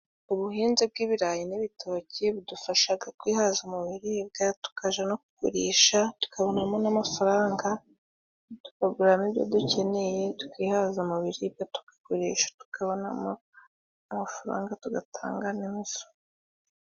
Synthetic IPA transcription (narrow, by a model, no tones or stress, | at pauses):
uβuɦiːnzib̚ɡiːβiɾaːjiniβitʰoːceβudufaʃaɡatkwiːhaːzumuβiɾib̚ɡatu̥kaʒanoku̥koɾeːʃatu̥kʰaβo̞namonamafaɾaːŋɡa | tu̥paɡuɾamibjo̰duce̞ne̞jetu̥kiːhazumuβiɾibjatu̥ɡ̥ḁkoɾeːʃḁtu̥kʰaβona̰mo | amafaɾa̰ːŋɡatuɡatʰa̰ːŋɡanimiso̥